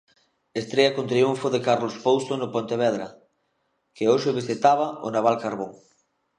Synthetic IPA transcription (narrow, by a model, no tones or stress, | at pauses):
est̪ɾeɐkont̪ɾiuɱfoðekaɾlospowst̪onʊpont̪eβɛðɾɐ | keoʃeβesθet̪aβɐo̰naβalkaɾβoŋ